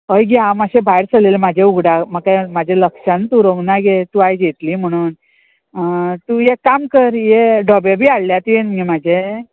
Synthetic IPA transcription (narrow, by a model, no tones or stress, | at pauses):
əjɡiamaɕebʱajɾt͡səlelemad͡ʑʱeuɡɽaməkajmad͡ʑʱeləkʂant̪uɾoɡnaɡet̪uajd͡ʑet̪liːm̤əɽ̃uːn | t̪ujekamkəɾjeɖʱɔbjebʱiːaɭljat̪ijenmimad͡ʑʱe